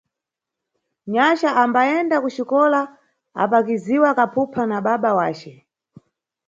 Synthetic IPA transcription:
ɲat͡ʃaʔambaɛndakut͡ʃikɔla | a̰pak̬iziwakapʰupʰanaɓaɓawaːt͡ʃɛ

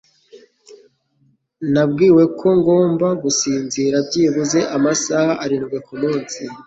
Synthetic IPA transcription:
nabɡiːwe̞kʰo̞ŋɡo̞ːmbaɡusiːnziɾabɟiːβuze̞ʔamasahaʔaɾinɡwekumuːnsi

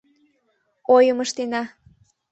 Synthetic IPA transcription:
ojəməʃt̪enɑ

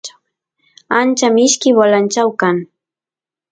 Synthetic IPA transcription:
ant͡ʃamɪʃkɪwalant͡ʃawkaŋ

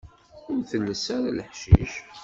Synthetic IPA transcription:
ʊɾθəlːəsaɾaləħʃḭʃ

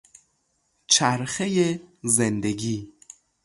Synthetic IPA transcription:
t͡ʃʰæɾxejezend̪eɡiː

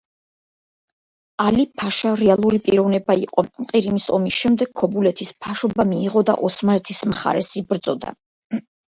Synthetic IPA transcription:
alipʰaʃaɾɛalˠuɾipʼiɾɔvnɛbaiqʼɔqʼiɾimisɔmisʃɛmd̪ɛɡ̚kʰɔbulɛt̪ʰispʰaʃɔbamiːʁɔd̪a̰ʔɔsmaɾɛt̪ʰismχa̰ɾɛsibɾd̪zɔd̪a̰

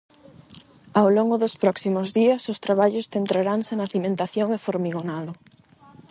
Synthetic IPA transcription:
awloŋɡʊðospɾɔksimʊzðiɐsʊst̪ɾaβaʎʊsθent̪ɾaɾaŋsenaθimẽnt̪aθjoŋefoɾmiɣonaðʊ

